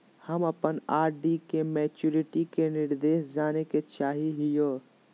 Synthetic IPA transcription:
hɐmɐpənaːɾɖikemɛːt͡ʃuːɾɪʈikenɪɾd̪eːʃd͡ʒaːneket͡ʃaːɦiɦɪjoː

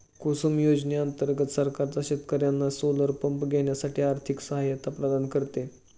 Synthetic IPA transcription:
kosumjod͡ʑneənt̪əɾɡət̪səɾkaɾt͡saɕet̪kəɾjanːasoləɾpəmpɡʱeɳ̃jasaʈʰiːaɾt̪ʰiksəɦajat̪apɾəd̪ankəɾt̪e

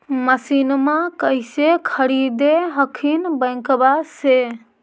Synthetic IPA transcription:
məsinmakəjsekʰəɾid̪eɦəkʰinbəj̃kbase

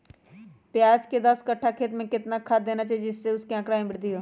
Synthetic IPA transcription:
pɪjaːd͡ʒked̪ɐskɐʈʰːakʰeːt̪mẽkɪt̪nakʰad̪eːnat͡ʃaːed͡ʒɪsːeʊskeə̃kɽaːĩbɪɽd̪iɦoː

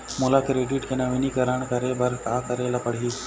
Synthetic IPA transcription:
mʊlakɾeːɖiʈkenɐʋinikɐɾəɳkɐɾebəɾkaːkəɾelapəɽ̤io

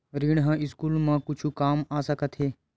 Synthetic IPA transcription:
ɾiːɳɦə̃ɪskuːlmãkʊt͡ʃʰukaːmaːsəkət̪ɦeː

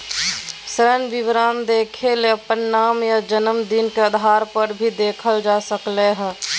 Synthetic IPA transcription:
sɾənʋiʋɾaːnd̪eːkʰeleɐpənːaːmjad͡ʒənəmd̪inkeəd̪ʱaːɾpəɾbʱid̪eːkʰəld͡ʒaːsəkleɦɛ̃

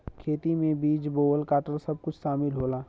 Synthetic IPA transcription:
kʰeːt̪imẽbiːd͡ʒboːəlkaːʈəlsɐb̚kʊt͡ʃʰʃaːmɪlɦoːlaː

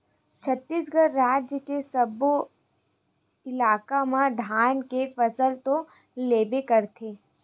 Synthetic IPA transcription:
t͡ʃʰət̪ːiːsɡəɾːaːd͡ʒjəkesəbo | ɪlaːkamãd̪ʱaːnkefəsəlt̪o | leːbekəɾt̪ʰeː

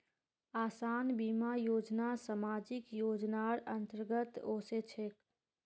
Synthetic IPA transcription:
aːsaːnbimajoːd͡ʒnasamaːd͡ʒɪkjoːd͡ʒnaɾənt̪əɾɡət̪oːset͡ʃʰek

